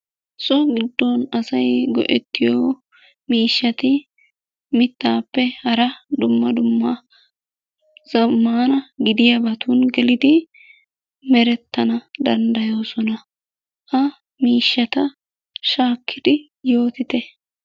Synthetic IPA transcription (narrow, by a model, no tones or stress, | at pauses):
sʼɔɡɪd̪ːɔnɐsɐjɡɔ̰ʔɛ̰t̪ːɪjoː | miːʃːɐt̪ɪ | mɪt̪ːaːpːɛhɐɾɐd̪ʊmːɐd̪ʊmːɐ | z̥ɐmːaːnɐɡɪd̪ɪjɐbɐt̪unɡɛlɪd̪ɪ | mɛɾɛt̪ːɐnɐd̪ɐnd̪ɐjo̞ːsɔnɐ | ʔɐ | miːʃːɐt̪ɐ | ʃaːkʰːɪd̪̥ɪ | jo̞ːt̪ɪt̪ɛ